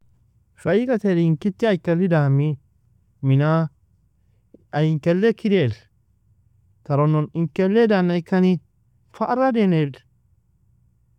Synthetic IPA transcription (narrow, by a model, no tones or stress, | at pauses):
fɐikɐt̪edɪŋkɪt̪ːɪɐjkːɐlːɪd̪aːmːi | mɪnaː | ɐjɪŋkɛlːɛkːɪd̪eːl | t̪ɐɾɔnːɔnɪŋkɛlːɛd̪anːɐɪkːɐni | faʔɾɐd̪eːned